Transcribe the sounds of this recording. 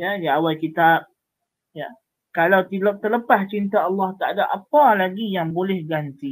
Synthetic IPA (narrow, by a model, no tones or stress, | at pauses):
jajaawajkit̪ap̚ | ja | kalawt̪ilɔk̚t̪ərləpast͡ʃint̪aɑlːɑht̪aʔadaʔapalaɡijaŋbolɛhɡant̪i